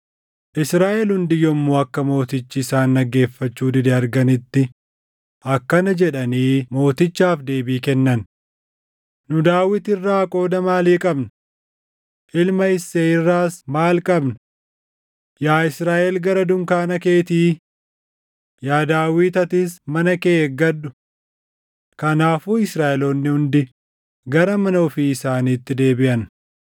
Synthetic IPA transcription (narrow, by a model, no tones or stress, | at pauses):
ʔɪsɾaːʔɛlhʊnd̪ɪjɔmːoːɐkːɐmo̞ːt̪ɪt͡ʃːɪsaːnːɐɡe̞ːfːɐt͡ʃːuːd̪ɪd̪ɛɐɾɡɐnɪt̪ːɪ | ʔɐkːɐnɐd͡ʒɛᶑɐniːmo̞ːt̪ɪt͡ʃːaːfd̪e̞ːbiːkɛnːɐn | nʊd̪aːwɪt̪ɪrːaːkʼo̞ːd̪ɐmaːliːkʼɐbnɐ | ʔɪlmɐɪsːeːɪrːaːsmaːlkʼɐbnɐ | jaːɪsɾaːʔɛlɡɐɾɐd̪ʊŋkaːnɐke̞ːt̪iː | jaːd̪aːwiːt̪ɐt̪ɪsmɐnɐkeːɡɐd̪ːʊ̥ | kɐnaːfuːɪsɾaːʔɛloːnːɪhʊnd̪ɪ | ɡɐɾɐmɐnɐɔfiːɪsaːniːt̪ːɪd̪e̞ːbɪʔɐn